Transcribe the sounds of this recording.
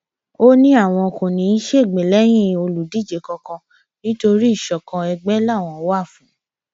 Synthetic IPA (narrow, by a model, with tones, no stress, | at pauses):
o˦nĩ˦a˦˨w̃ɔ̃˧kõ˨nĩ˨˦n̩˦ʃe˦˨ɡ͡bẽ˨lɛ˨˦j̃ĩ˦˨o˧lu˨di˦˨d͡ʒe˨kɔ̃˧kɔ̃˧ | nĩ˦to˧ɾi˦i˦˨ʃɔ˨kɔ̃˧ɛ˧ɡ͡bɛ˦la˦˨w̃ɔ̃˧˦wa˦˨fũ˨˦